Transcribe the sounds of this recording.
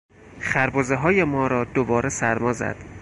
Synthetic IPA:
xæɾboːzeɦɒːjemɒːɾɒːd̪obɒːɾesæɾmɒːzæ̰d̪̥

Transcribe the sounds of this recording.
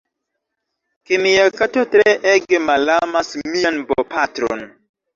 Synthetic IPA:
kemijakatotɾeʔeɡemalamasmijanbopatɾo̰n

